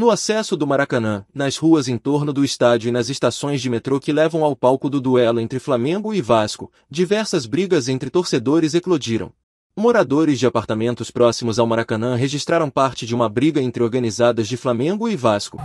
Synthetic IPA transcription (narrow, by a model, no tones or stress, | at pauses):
nʊasɛsʊd̪ʊmaɾakɐ̃nɐ̃nɐshuɐzẽt̪oɾnʊd̪ʊɪst̪ad͡ʒiʊɪnɐzest̪asõj̃zd͡ʒɪmet̪ɾokɪlɛvɐ̃w̃awpawkʊd̪ʊd̪uɛlʊẽnt̪ɾɪflamẽɡʊɪvaskʊ | d͡ʒivɛɾsɐzbɾiɡɐzẽnt̪ɾɪt̪oɾsed̪oɾɪzeklod͡ʒiɾɐ̰̃w̃ | moɾad̪oɾɪzd͡ʒɪapaɾt̪amẽnt̪ʊspɾɔsimʊzawmaɾakɐ̃nɐ̃ɦeʒist̪ɾaɾɐ̃w̃paɾt͡ʃɪd͡ʒɪũmɐbɾiɡɐẽnt̪ɾɪoɾɡɐnizad̪ɐzd͡ʒɪflamẽɡʊɪvaskʊ̥